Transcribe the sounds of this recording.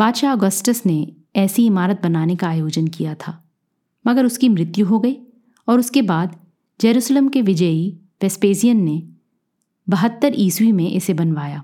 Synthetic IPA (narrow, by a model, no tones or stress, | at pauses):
b̥aːd̪ʃaɔːɡəsʈəsne | ɛːsiɪmaːɾət̪̚bɐnaːnekaːjoːd͡ʒənkijat̪ʰaː | mɐɡəɾʊskimɾɪt̪juɦoɡɐe | ɔːɾʊskebaːd̪ | d͡ʒɐɾuːʃleːmkeʋɪd͡ʒəi | ʋɛspeːzijənːe | bɐɦət̪ːəɾʔiːswimẽʔɪsebɐnʋaːjaː